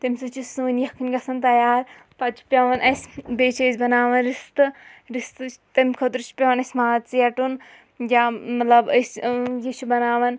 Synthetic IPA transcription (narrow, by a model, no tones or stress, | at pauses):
t̪ɐmʲsut͡ʃisuːnjɐkʰɨnʲɡɐsɐnt̪ɐjaːɾ | pɐd͡ʒu̥pʲɐʋɐnʔɐsʲbeːt͡ʃʰesʲbɐnaːʋɐnɾist̪ɨɾist̪ɨt̪ɐmʲkʰod̪ɾut͡ʃpʲɐʋɐnɐsʲmaːt̪t͡sijɐʈun | jamɐt̪lɐbɐsʲjit͡ʃʰubɐnaːʋɐn